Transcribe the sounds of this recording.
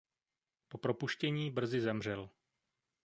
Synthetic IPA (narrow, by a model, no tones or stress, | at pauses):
po̞pɾo̞puʃcɛɲiːbr̩zɪzɛmr̝ɛl